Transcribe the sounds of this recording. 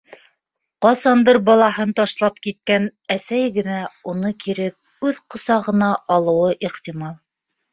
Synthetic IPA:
qɑsɑnd̪ɤɾbɑlˠɑɦɤnt̪ɑʃlˠɑpkit̪̚kænæsæjɡɘ̆næunɤkʰiɾɘp̚ | ʉðqŏsɑʁɤ̆nɑʔɑlˠɤ̆wɤʔiχt̪imɑlˠ

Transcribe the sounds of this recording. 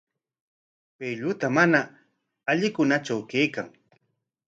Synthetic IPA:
pejʎʊt̪amana | aʎɪkʊnat͡ʃawkejkaŋ

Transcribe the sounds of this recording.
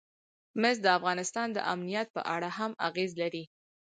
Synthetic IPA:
mɪzd̪əafɣɑnɪst̪ɑnd̪ə̰ʔamnijat̪̚pə̰ʔaɽahama̰ɣezlaɾi

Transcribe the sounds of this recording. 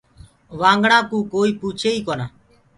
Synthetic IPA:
ʋãːŋɡɳãːkũːkoːiːpuːt͡ʃʰeːiːkoːnaː

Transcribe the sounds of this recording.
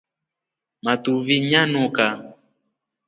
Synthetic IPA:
matuviɲanuka

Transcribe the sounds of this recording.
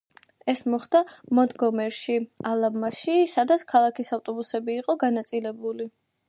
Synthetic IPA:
ɛsmɔχd̪̥amɔd̪ɡɔmɛɾʃialˠamːaʃisad̪at̪skʰalˠakʰisavt̪ʼɔbusɛbiːqʼɔɡanat̪sʼilɛbuli

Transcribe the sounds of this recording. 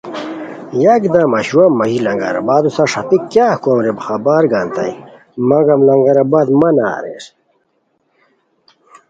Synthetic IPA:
jɐɡd̪amɐɕuwɐmɐɦilɐŋɡɐ̰ɾɐ̰baːd̪usɐʂɐt̪ikjaːkoːmɾebxɐbaːɾɡaːnt̪ɐ̰j | mɐɡɐmlɐŋɡɐɾɐbaːd̪mɐna̰ːɾḛɾ

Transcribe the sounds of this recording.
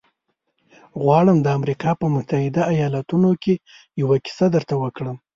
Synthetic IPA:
ɣwɑɽəmd̪əamɾikɑpəmʊt̪ahɪd̪aːjɑlat̪unoke | jawaki̥sad̪əɾt̪awəkɽəm

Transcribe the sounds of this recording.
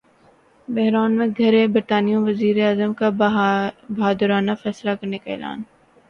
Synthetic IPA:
bɛɦɾaːnmẽɡʱɐɾẽbɪɾt̪aːnijõʋɐziːɾeaːzəmka | bɐɦaːd̪əɾaːnafɛːslakɐɾnekaɪ̰la̰ːn

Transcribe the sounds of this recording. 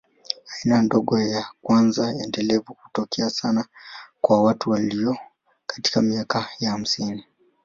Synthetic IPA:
ainandoɡojakwanzaendelevuku̥tokeasanakwawatuwalio | kḁti̥kamiakajaham̩sini

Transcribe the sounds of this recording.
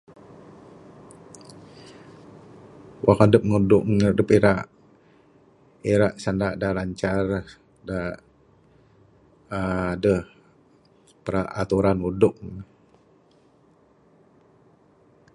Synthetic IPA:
wʔakadəp̚ŋudʊʔŋədəpiɾaʔ | eɾaʔsandaʔdalaɲt͡ʃar | da | dəh | pəɾaa̰t̪uɾanudʊʔ̚

